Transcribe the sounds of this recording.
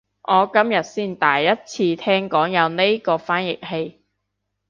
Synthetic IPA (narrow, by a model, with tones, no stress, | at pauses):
ʔɔː˨˧kɐ˥mjɐ˨t̚siː˥˩nt̪aː˨jːɐ˥t̚t͡sʰiː˧t̪ʰɛː˥ŋkɔː˨˥ŋjɐ˨˧wne˥jkɔː˧faː˥njɪ˨˩k̚he˧j